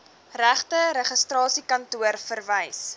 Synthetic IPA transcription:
ræχtəɾɛχəstrɑːsikɐntuərfərvəjs

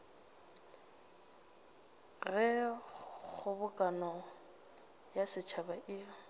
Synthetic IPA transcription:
ɣɪ | k͡xʊbʊkʼanɔ | jasɪt͡ʃʰabaʔiːɔ

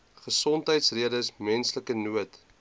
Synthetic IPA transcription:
χəsɔntɦəjtsriədəsmɛnsləkənuət

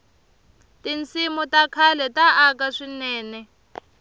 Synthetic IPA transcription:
tint͡sʰimutakʰalɛtaʔakaʂinɛːnɛ

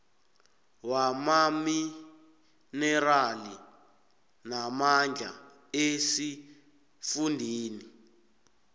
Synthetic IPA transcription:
wamami | nɛɾali | namand͡ɮʱa̰ | esi | fundʱiːni

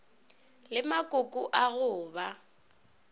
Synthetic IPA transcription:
lɪmakʼokʼʊʔaɣʊːba

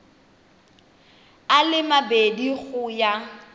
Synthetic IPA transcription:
alɪmabediɣʊja

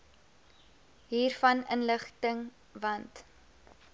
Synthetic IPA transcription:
ɦiːrfɐnənləχtəŋ | vɐnt

